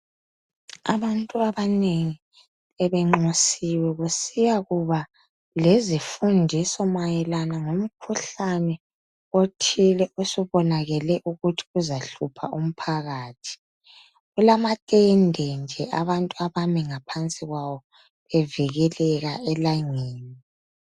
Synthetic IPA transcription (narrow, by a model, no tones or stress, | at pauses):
a̰βantʼuaβaneŋi | ɛβɛŋ͡ǃosiwɛɣusijaɣuβa | lezifundʱisɔmajɛlanaŋom̩kʰuɬanɛ | otʰilɛʔusuβɔnaɣɛlɛʔuɣutʰi̥uzaɬupʰaʔum̩pʰaɣaːtʰi̥ | ɣulamatʼɛndʱɛnd͡ʒʱɛʔaβantʼuaβamiŋapʰant͡sʼiɣwawɔ | βɛviɣɛlɛɣaɛlaŋeːni